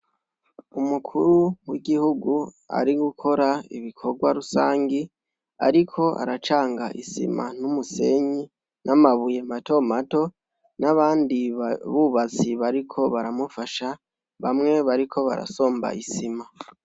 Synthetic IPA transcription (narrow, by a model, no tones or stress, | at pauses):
umukʰuɾuwiɡihuɡu | a̰ɾiɡukʰo̞ɾaḭβikʰo̞ɡwaɾusaːŋɡi | a̰ɾikʰo̞ʔa̰ɾat͡ʃaːŋɡaʔisḭma̰n̥umuse̞ɲi | nʔamaβujemato̞mato̞ | naβaːndiβuβat͡siβaɾikʰo̞βaɾamufaʃa | βamŋe̞βaɾikʰo̞βa̰ɾa̰so̞ːmba̰isima